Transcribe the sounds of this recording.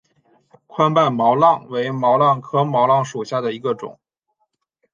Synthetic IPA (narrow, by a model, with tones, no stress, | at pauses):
kʰwa˥npa˥˩nmɑ˧˥ʊlɑ˥˩ŋwe˧˥ɪmɑ˧˥ʊlɑ˥˩ŋkʰɤ˥mɑ˧˥ʊlɑ˥˩ŋʂu˨˩ɕja˥˩d̪ə˩i˧˥ɡə˧ʈ͡ʂʊ̰˨˩˦ŋ